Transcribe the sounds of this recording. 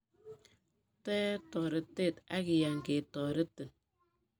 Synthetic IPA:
tɛ˦tɔ˨ɾe˨te˦˨ta˦ki˨ja˨ŋ˨ɡe˨tɔ˨ɾe˦te˨

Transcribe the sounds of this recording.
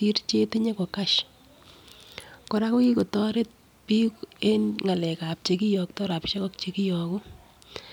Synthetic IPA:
ti˦rt͡ʃe˦te˦ɲe˦ko˨ka˦ʃ | ko˨ɾa˦ku˦ki˦ko˨tɔ˦ɾe˦t̚ | pi˦ke˦nŋa˨lɛ˨ka˨p̚t͡ʃe˨ki˦jɔ˨k̚tɔ˦ɾa˨pʃe˦kɔ˦k̚t͡ʃe˨ki˦jɔ˨ku˦

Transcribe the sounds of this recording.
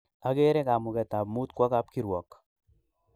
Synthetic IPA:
a˦ɡe˦ɾe˦ka˨mʊ˨kɛ˨t̪a˨bmu˦t̪kwɔ˦ka˦p̚ki˦ɾwɔ˨k

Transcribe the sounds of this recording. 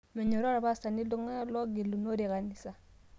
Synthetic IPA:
me˨ɲo˨ɾɾa˨ba˦sa˨ni˦lo˦ŋa˦lo˦ɡi˨lu˨no˦ɾi˨ɣa˨ni˨sa˨

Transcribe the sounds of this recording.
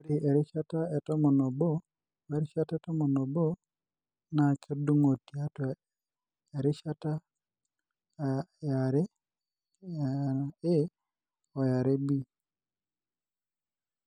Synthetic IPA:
ɾi˨ʔe˨ɾi˦ʃa˦ta˦e˨to˦mo˨no˨bo˦ | we˦ɾi˦ʃa˦taɛ˦to˦mo˨no˨bo˦ | na˨kʰe˦du˦ŋo˨ti˨a˦tɔ˨ | e˨ɾi˦ʃa˦ta˦ | ja˨ɾe˦˨ | e˦ | o˨ja˨ɾe˦bi˦

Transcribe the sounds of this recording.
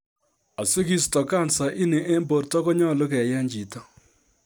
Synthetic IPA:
a˨se˦ki˦stɔ˨ka˦˨nsa˨ʔi˦ne˨ʔe˦mbo˨ɾtɔ˦kɔ˦ɲɔ˦˨lo˦kɛ˨ja˦ɲd͡ʒi˨tɔ˦

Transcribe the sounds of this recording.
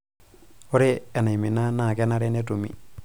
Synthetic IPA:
o˦ɾe˦ɛ˨na˨i˨mi˨na˦na˨kɛ˦na˦ɾe˦ne˦tu˨mḭ˨

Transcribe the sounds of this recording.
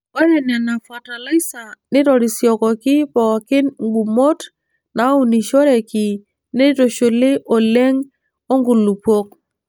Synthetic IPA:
ɔ˦ɾɛ˨nɛ˨na˨fa˨ta˨la˦i˦sa˨nɪ˦tɔ˨ɾi˨sjɔ˨kɔ˨kɪ˦pɔ˨kɪ˦nŋ˦ɡ͡bu˨mo˦t | na˨˦u˨ni˨ʃo˦ɾɛ˨ki˨ | ne˦to˨ʃo˨lɪ˦ʔɔ˨le˦ŋ | o˦ŋɡu˨lu˨po˦k̚

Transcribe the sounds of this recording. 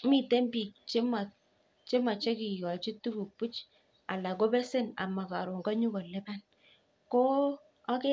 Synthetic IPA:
mi˨te˦mbi˨k̚t͡ʃe˦ma˨ | t͡ʃe˦ma˨t͡ʃe˦ki˨jɔ˨t͡ʃi˦tːu˦ku˨pu˦t͡ʃ | a˨la˨ko˦bɛ˦se˦na̰˨ma˨ka̰˨ɾo˨ŋɡɔ˦ɲu˦ko˨le˦ba˦n | ko˦ | a˦ke˦

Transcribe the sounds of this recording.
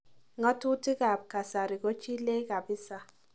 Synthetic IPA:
ŋɔ˦tu˦ti˦ɡa˨p̚ka˨sa˨ɾi˨ɡo˦t͡ʃi˦le˦ka˨bɪ˦sa˨

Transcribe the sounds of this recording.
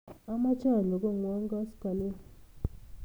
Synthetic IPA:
a˦ma˦t͡ʃa˦˨lo˨ɡo˦˨ŋwɔ˦ŋɡa˦ska˨lɪ˦

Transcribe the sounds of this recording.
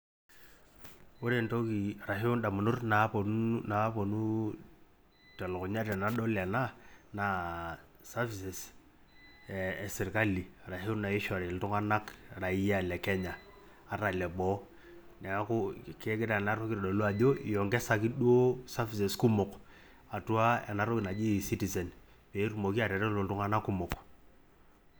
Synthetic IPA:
o˦ɾe˦˨nto˦ki˨ɾa˨ɦi˦ʊ˦nda˨mʊ˨nʊ˦rna˨˦po˨n˦na˨˦po˨nu˦ | tɛ˨lɔ˨kʊ˨ɲa˦ɾɛ˨na˨ɗo˦la˨na˦na˨˦ | sa˦fi˨se˨s | sɪ˨ɾka˦li˨ɾa˨hɪ˦ʊ˦na˨ɪ˦ʃɔ˨ɾe˨ltʊ˦ŋa˦na˦kɾa˨i˦ja˦˨lɛ˨kɛ˦ɲaː˨ | ɾa˨lɛ˨ɓɔ˨˦ | nɛ˨˦kʊ˦ke˦ɡɪ˦ɾa˨na˦ɾo˦ki˦ɾɗo˨lu˦a˨ʄo˦˨jɔ˨ŋɡɛ˦sa˦ki˦ɗwo˦sa˦fi˦˨sɛ˨sku˦mʊ˨k | a˨tu˦a˦ɛ̰˨na˦ɾo˦kɪ˨na˨d͡ʒi˦˨si˦ti˨sɛ˨n | pe˨˦ɾu˦˨mo˨ki˦a˨ɾɛ˨ɾɛ˦lo˨ltʊ˦ŋa˦na˦kːu˦mʊ˨k

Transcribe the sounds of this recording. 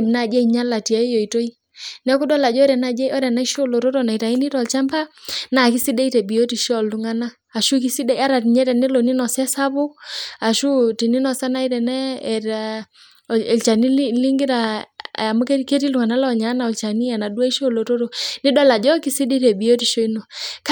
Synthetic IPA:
na˦˨d͡ʒɛ˦i˨ɲa˦la˨ti˨a˨i˦jo˨i˨to˦i˦ | nɛ˦ku˦dɔ˦la˨d͡ʒɔ˦ɾɛ˨na˦˨d͡ʒɛ˦ɔ˦ɾɛ˨na˦i˦ʃo˦˨lo˨to˦to˨na˨i˨ta˨i˦ni˦tɔ˨lt͡ʃa˦mpa˦na˨ki˦si˦de˦i˦tɛ˨bi˨jo˦ti˨ʃɔ˦˨lu˨ŋa˦naː˦˨ʃu˦ki˦si˦de˦a˦ɾa˨ti˨ɲɛ˦tɛ˨nɛ˦lo˨ni˦nɔ˨sɛ˦sa˦bu˦a˨ʃu˦ti˨ni˦nɔ˨sa˦na˦i˦ɾɛ˨nɛ˦˨ | lt͡ʃa˨ni˦lli˦ŋɡi˦ɾa˨a˨mu˦ke˦ke˦t̬i˦lu˨ŋa˨na˦lɔ˦˨ɲa˨˦na˨ɔ˨lt͡ʃa˨ni˦a˨na˨du˦a˦i˦ʃo˦˨lo˨to˦ɾo˨ni˦dɔ˦la˨d͡ʒɔ˦ki˦si˦di˦tɛ˨bi˨o˦ti˨ʃo˦i˦no˨k

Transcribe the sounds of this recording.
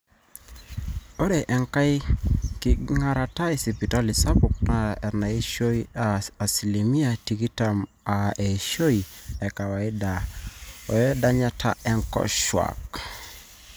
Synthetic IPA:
ɔ˦ɾe˨ʔɛ˨ŋka˦i˦ki˨ŋa˦ɾa˨ta˦i˨si˨pi˨ta˦li˨sa˦bu˨kna˨ɛ˨na˨i˦ʃo˦iaa˨si˨li˨mi˦a˨ti˨ki˦tam | a˨e˨iʃo˦i˨ɛ˨ka˨wa˨i˦da˨ɔ˨jɛ˦da˦ɲa˦tʰa̰˦ʔɛ˦ŋkɔ̰˦ʃwa̰˨k

